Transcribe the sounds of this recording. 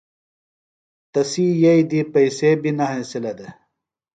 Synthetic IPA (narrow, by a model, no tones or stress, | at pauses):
t̪ɐsiːjɐid̪ipɐiseːbinɐɦẽsilɐd̪e